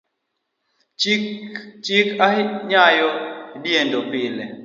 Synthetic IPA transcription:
t͡ʃɪkaɲajɔdjendopɪle

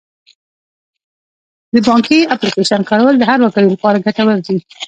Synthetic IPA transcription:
d̪əbɑŋkiaplikeʃankaɽawəld̪əɦaɾwakaɽolapɑɾaɡaʈawəɾd̪i

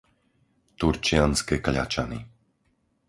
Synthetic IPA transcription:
t̪uɾt͡ʃɪanskɛkʎa̰t͡ʃani

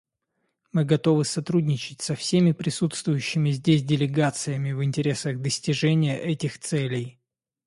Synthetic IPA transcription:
mɨɡɐt̪o̞vɨsɐt̪ɾudʲnʲɪt͡ɕɪtʲsɐfsʲemʲɪpɾʲɪsut̪st̪vʊjʉɕːɪmʲɪzʲdʲesʲdʲɪlʲɪɡat̪sɨjəmʲɪvɨnʲtʲɪɾʲe̞səɣd̪əsʲtʲɪʐɛnʲɪjəʔɛtʲɪxt̪sɛlʲɪj

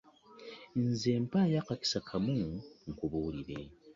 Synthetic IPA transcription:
nzeːmpajakaki̥sakʰamuŋ̩kuβuːliɾe

